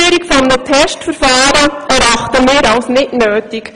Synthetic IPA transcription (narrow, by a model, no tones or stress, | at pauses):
yəɾikfɔmnətʰɛʃtfəɾfaːɾəɛɾaχtəmɪːɾɑlsnɪtnøːtik